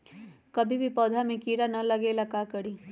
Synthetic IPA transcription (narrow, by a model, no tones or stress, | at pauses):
kɐbʱibʱipɔːd̪ʱamẽkiːɾanɐlɐɡelakaːkɐɽĩː